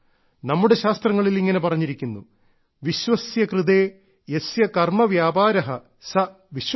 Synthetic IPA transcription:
nɐmːuɽe̞ɕaːst̪rɐŋːɐɭiliŋːɐne̞pɐrɐɲːiɾikʲːunːu | ʋiɕʋɐsjɐkrɨd̪eː | jesjɐkɐrmɐʋjaːbaːɾɐɦɐ | sɐ | ʋiɕ

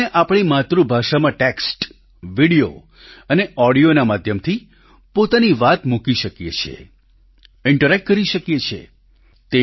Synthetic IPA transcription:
eʔapɳ̃imat̪ɾubʱaʃamãʈeksʈ | ʋiɽijo | əneʔɔɽijonamad̪ʱjəmt̪ʰi | pot̪aniʋat̪mukiʃəkjḛt͡ʃʰḛ | ɪɳʈəɾɛk̚ʈ̚kəɾiʃəkjet͡ʃʰḛ | t̪e

